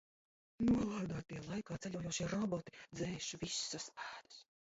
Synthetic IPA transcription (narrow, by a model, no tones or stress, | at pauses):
nuɔlˠaːd̪aːt̪ialˠajkaːt̪sɛʎʲuɔjuɔʃiɾɔbɔt̪i̥d̪zɛːʃvisːaspæːd̪ɨ̥s